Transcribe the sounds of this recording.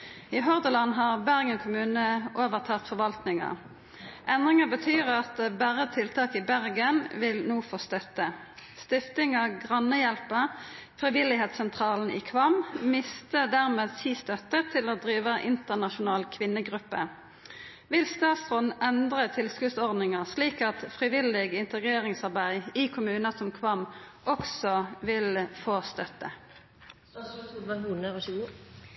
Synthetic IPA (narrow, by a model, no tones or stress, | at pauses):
iːɦɔʁd̪əlɑnɦɑːʁbæʁɡənkʰʊmʉːnəʔoːʋəʁt̪ʰɑːt̪fɔʁʋɑlt̪nɪŋə̰ | ʔɛnd̪ʁɪŋəbət̪ʰyːʁɑt̪bæːʁət̪ʰɪlt̪ʰɑːkɪbæʁɡənʋɪlnuːfoːst̪œt̪ə | st̪ɪft̪ɪŋəɡʁɑnəjɛlpəʁfʁɪʋɪlɪheːt̪sɛnt̪ʰʁɑːln̩ḭːkʰʋɑmmɪst̪əd̪æʁmeːd̪siːst̪œt̪ət̪ʰɪloːd̪ʁiːʋəʔɪnt̪əʁnɑʃʊnɑːlkʰʋɪnːəɡʁʉpːə | ʋɪlst̪ɑːt̪sʁɔnʔɛnd̪ʁət̪ʰɪlskʉsɔʁd̪nɪŋəʁsliːkɑt̪fʁɪʋɪlɪɡɪnt̪əɡʁeːʁɪŋsɑʁbæɪiːkʰʊmʉːnəsɔmkʰʋɑmʔɔksɔʋɪlfoːst̪œt̪ə | unə